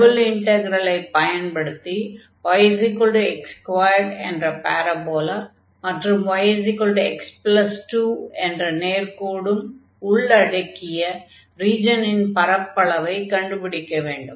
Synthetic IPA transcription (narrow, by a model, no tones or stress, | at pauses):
ɽɯlɪɳʈɐɡɐɾɐlɐɪpɐjɐnpɐɽɯt̪ːi | ʋɐjɐsɪkːɔɭɖɯɛkskwʋɐːjɐɾɖɛ̰ndrɐpaːɾɐboːlɐ | mɐʈrɯmʋɐjɐsɪkːɔɭɖɯɛksplɐsʈuːɛndrɐneːɾkoːɽɯm | ʊɭːɐɽɐkːɪjɐ | ɾiːd͡ʒɐnɪnpɐɾɐpːɐɭɐʋɐɪkɐɳɖɯpɪɽɪkːɐʋeːɳɖɯm